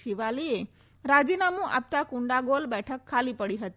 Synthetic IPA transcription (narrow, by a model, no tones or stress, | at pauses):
ʃiʋalie | ɾad͡ʒinamũʔa̰p̚t̪akʊɳɖaɡolbɛʈʰəkʰːalipəɽiɦət̪i